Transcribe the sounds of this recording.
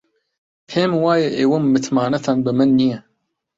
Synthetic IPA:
pʰeːmwaːjeʔeːwomːɨt̪ʰmaːnɐt̪ʰaːnbɨmɨnːijɛ

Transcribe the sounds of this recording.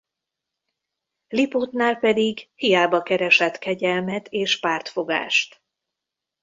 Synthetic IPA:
lipot̪naːlpɛd̪iɡhijaːbɒkɛɾɛʃɛt̪kɛɟɛlmɛt̪eːʃpaːrt̪fo̞ɡa̰ːʃt̪

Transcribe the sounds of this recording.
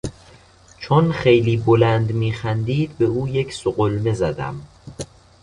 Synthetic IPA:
t͡ʃʰonxejliːbolænd̪miːxænd̪iːd̪̚be̞uːjecʰsoɢolmezæd̪æ̰m

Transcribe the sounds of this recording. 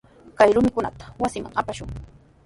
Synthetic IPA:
kajɾʊmɪkʊna̰t̪ḁwasɪma̰ŋapaʃʊŋ

